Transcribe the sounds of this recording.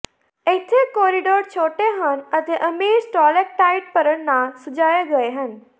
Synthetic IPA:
et̪ʰːekɔːɾiɖoːɾt͡ɕʰoːʈeɦənɐt̪eʔɐmiːɾsʈɔːlek̚ʈaːɪʈ̚pɐɾəɽnãsʊd͡ʒaːjeɡɐeɦən

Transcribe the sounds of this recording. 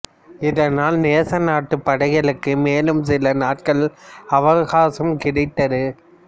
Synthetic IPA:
ɪðɐnaːlneːsɐnaːʈːɯpːɐɽɐɣɐɭɯkːɯmeːlɯmsɪlɐnaːʈ̚kɐɭɐʋɐɣaːsɐmkɪɽɪt̪ːɐðɯ

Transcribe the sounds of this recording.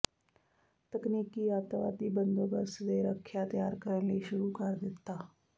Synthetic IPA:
t̪əknikiːat̪əʋa̰t̪iːbənd̪əbəsd̪eɾəkʰːjat̪ɐjaɾkəɾleɕuɾuːkaɾd̪ɪt̪ːa

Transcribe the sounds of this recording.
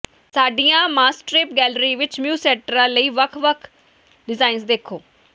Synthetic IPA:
saːɖijãːmaːsʈɾɪːpɡɛːlɾiːʋɪt͡ʃmjuːsɛːʈəɾãːləiːʋəkʰʋəkʰ | ɖɪzaːinsd̪eːkʰoː

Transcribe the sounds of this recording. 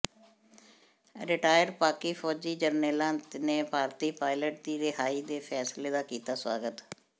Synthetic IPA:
ɾɪʈaːjəɾpaːkiːpʰɔːd͡ʒiːd͡ʒəɾneːlãːnt̪neːbʱaːɾt̪iːpaːɪləʈ̚d̪iːɾeɦaːiːd̪eːpʰɛːsleːd̪aːkiːt̪aːswa̰ːɡət̪

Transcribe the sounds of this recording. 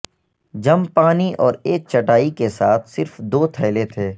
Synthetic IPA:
d͡ʒɐmpaːniʔɔːɾeːk̚t͡ʃɐʈaːikesaːt̪ʰsɪɾfd̪oːt̪ʰɛːlet̪ʰeː

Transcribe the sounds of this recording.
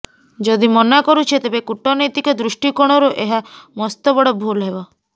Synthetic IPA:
d͡ʒɔd̪imɔnakɔɾut͡ʃʰit̪ebekuʈɔnɔjt̪ikɔd̪ɾuʃʈikoɽ̃ɔɾuʔeɦamɔst̪ɔbɔɽɔbʱulɦebɔ

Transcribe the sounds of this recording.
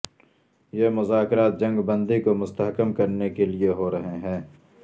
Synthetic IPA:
jemʊzaːkɾaːt̪̚d͡ʒɐ̃ŋɡbɐ̃nd̪ikomʊst̪ɐɦkəmkɐɾnekelieɦoɾɐɦeɦɛ̃ː

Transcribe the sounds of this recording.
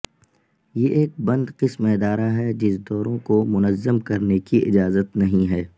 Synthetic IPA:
jeʔeːk̚bɐ̃nd̪qɪsmeːd̪aːɾaɦɛd͡ʒɪsd̪ɔːɾõkomʊnəzːəmkɐɾnekiʔɪ̰d͡ʒaːzət̪nɐɦĩɦɛː

